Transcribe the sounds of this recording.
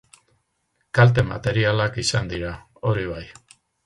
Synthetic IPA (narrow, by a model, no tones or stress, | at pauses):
kalt̪̬e̞ma̰t̪e̞ɾialakisand̪iɾa | o̞ɾiβ̞aj